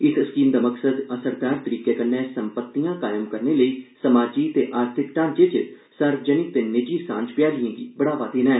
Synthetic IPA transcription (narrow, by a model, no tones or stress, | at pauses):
ɪsəskiːmd̪aːməksəd̪əsəɾd̪aːɾt̪əɾiːkeːkənːɛ̃ːsəmpət̪ːijãːkaːjəmkəɾneːləiːsəmaːd͡ʒiːt̪eːʔaːɾt̪ʰɪkʈãːnd͡ʒeːt͡ʃ | səɾd͡ʒənɪːt̪eːnɪd͡ʒiːsã̰ːɲd͡ʒpɪjaːliẽːɡḭːbəɽaːʋaːd̪eːnɛ̃ː